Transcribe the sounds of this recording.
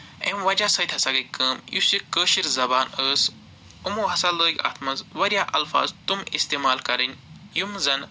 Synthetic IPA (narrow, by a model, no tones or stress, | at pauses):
emʋɐd͡ʒaːsɐt̪ʰʲhɐsaɡɐkəːmjusikəːʃiɾzɐbaːnəːs | umoːɦɐsaləːɡʲa̰ːt̪ʰmɐzʋɐɾjaːʔɐ̰lfa̰ːzt̪umist̪eːmaːlkɐɾɐnʲjumzɐn